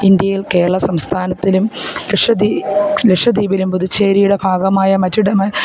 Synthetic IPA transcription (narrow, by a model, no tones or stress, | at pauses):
ind̪jɐjilke̞ːɾɐɭɐsɐmst̪ʰaːnɐt̪ːilumleʂɐd̪ileʂɐd̪iːbilumpuðut͡ɕːeːɾijuɽebʱaːɡɐmaːjɐmɐtːuɽemɐ